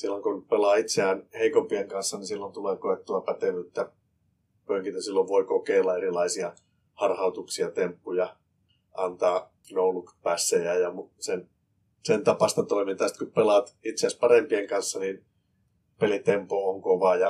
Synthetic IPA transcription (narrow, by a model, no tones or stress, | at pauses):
silːoŋkopelɑːit̪seæːnheikompieŋkɑnsːɑnisilːont̪uleːkoet̪ːuɑpæt̪eʋyt̪ːæ | pøŋkit̪æsilːoʋʋoikokeːlːɑerilɑisiɑ | hɑrhɑut̪uksiɑt̪empːujɑ | ɑnt̪ɑː | noulukpæsːeæjɑmusen | sent̪ɑpɑst̪ɑt̪oimint̪ɑːˑsi̥t̪kupelɑˑt̪it̪seæspɑrempieŋkɑnsːɑnin | pelit̪empooŋkoʋɑjɑ